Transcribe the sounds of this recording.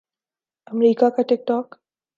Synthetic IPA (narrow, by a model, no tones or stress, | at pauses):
əmɾiːkakaʈɪk̚ʈɔːk